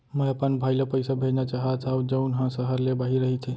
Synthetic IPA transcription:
məjapənbʱajləpəjsəbʱenjat͡ɕaɦat̪awd͡ʑəunɦãsəɦəɾlebaɦiɾəɦitʰe

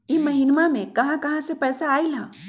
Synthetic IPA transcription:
imɐɦɪnmamẽkɐɦãkɐɦãsepɛːsaaːilãː

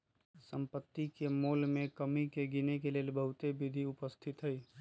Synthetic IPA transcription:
sə̃mpət̪ːikemoːlmẽkəmikeɡinekeleːlbəɦʊt̪ebɪd̪ʱiʊpəst̪ʰɪt̪ɦɛiː

